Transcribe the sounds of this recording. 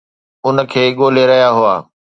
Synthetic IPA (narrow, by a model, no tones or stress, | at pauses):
ʊnə̆kʰeːɠoːleɾɐɦjaɦʊaː